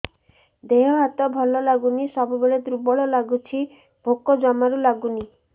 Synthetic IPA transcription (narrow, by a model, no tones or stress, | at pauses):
d̪eɦɔɦat̪ɔbʱɔlɔlaɡunisɔbubeɭed̪ɾubɔɭɔlaɡut͡ʃʰi | b̥ʱokːɔd͡ʒɔmaɾulaɡuni